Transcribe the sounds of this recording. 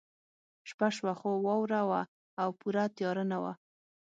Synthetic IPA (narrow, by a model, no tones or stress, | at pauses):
ʃpaʃwaxowɑwɾawa | awpuɾat̪jɑɾənawa̰